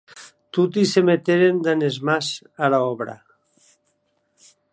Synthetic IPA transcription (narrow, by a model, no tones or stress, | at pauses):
t̪ut̪isemet̪eɾend̪anezmas | alaɔβɾa̰